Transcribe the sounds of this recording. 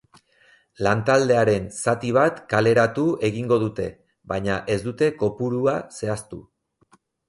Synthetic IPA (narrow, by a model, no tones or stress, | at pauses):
lant̪ald̪e̞aɾe̞nsat̪iβ̞at̪kale̞ɾat̪ue̞ɣiŋɡo̞ðut̪e̞ | βajɲaʔe̞zd̪ut̪e̞ko̞puɾuase̞ast̪u